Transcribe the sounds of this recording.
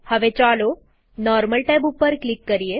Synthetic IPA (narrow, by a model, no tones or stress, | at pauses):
həʋet͡ɕalo | nɔɾməlʈajbupːəɾklikːəɾije